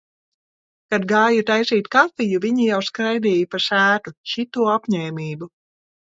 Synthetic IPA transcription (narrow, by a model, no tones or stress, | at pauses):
kad̪ɡaːjut̪ajsiːt̪kafijuviɲijawskɾajd̪ɛːjipasæːt̪ut͡ʃit̪uɔapɲeːmʲiːbu